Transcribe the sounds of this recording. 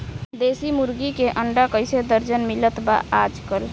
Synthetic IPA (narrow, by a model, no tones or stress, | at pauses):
d̪esimuɾɡikeʔəɳɖakəjsed̪əɾd͡ʒənmilət̪ba̰ad͡ʒkəl